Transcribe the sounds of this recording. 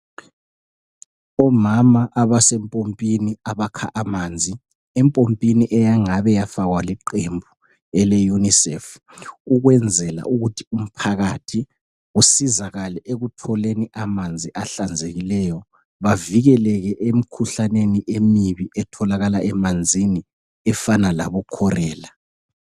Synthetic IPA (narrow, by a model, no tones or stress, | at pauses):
ɔmamaʔaβasɛmpʼompʼiniaβakʰa̰ʔamaːnd͡zʱi | ɛmpʼompʼiniʔɛjaŋaβɛjafaɣwaliǃembʱu | ɛlɛjunisɛ̰f | uɣwɛnd͡zʱɛla̰ʔuɣutʰium̩pʰaɣatʰi | ɣusizaɣalɛʔeɣutʰɔleniʔamand͡zʱiʔaɬand͡zʱeɣilɛjɔ | βaviɣɛlɛɣɛʔem̩kʰuɬaneniʔemiβiʔɛtʰɔlaɣalaʔɛmand͡zʱini | ɛfanala̰βukʰɔrɛːla